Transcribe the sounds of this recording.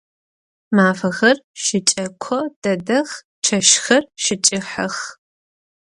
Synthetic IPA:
maːfɐɣɐrʃɪt͡ʃʼɐkʷʰɔd̥ɐdɐx | ʈ͡ʂʰɐʃxɐrʃɪt͡ʃʼɪħɐx

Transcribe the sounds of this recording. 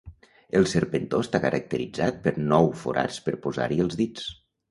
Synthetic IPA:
əlˠsəɾpənt̪ost̪akəɾʔək̚t̪əɾid͡zat̪̚pəɾnɔwfṵɾa̰t͡spəɾpoza̰ɾiəlˠzðit͡s

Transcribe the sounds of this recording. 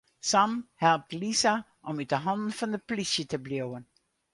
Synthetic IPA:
samhɛlˠp̚tlisa | ʔɔmyt̚dəɦɑndn̩fɔndəplisjətəbljowən

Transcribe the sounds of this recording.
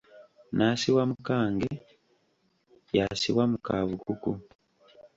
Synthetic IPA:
nasiwamukaːŋɡe | jasiwamukaβukuku

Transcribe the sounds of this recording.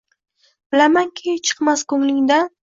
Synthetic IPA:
b̥ɪlamaŋkʲʰet͡ʃʰɨ̥qmaskɵŋlɪŋd̪a

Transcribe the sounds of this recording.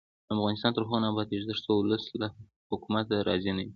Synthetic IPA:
d̪əafɣɑnɪst̪ɑnt̪əɾxɑnabɑt̪eʒd̪əɾt͡soʊləsla | hʊkumat̪aɾʔɑ̰zinawi

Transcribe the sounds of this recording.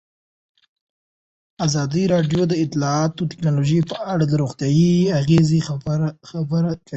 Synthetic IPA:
azɑd̪iɾɑɖjod̪əɪt̪lɑɑt̪ot̪ɪ̥knɑloʒəjpəʔaɽad̪əɾoɣt̪jɑjiaɣezixabəɾakʰai

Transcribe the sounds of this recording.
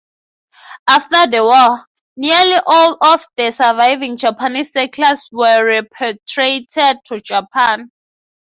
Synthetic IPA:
aftadɛwɔl | nialiʔɔlɔfdɛsavajvĩŋd͡ʒapʰanisːɛkʰlaswɛɹɛpʰtʰɹetʰɛd̚tʰud͡ʒapʰãn

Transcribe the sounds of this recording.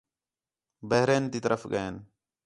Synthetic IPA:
bəɦɾeːnt̪iːt̪əɾəfɡəeːn

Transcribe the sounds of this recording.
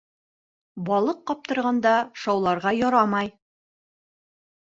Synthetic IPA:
bɒlˠɤqːɒp̚t̪ɤ̆ɾʁɑnd̪ɑʃɑwlˠɑɾʁɑjɒɾɑmɑj

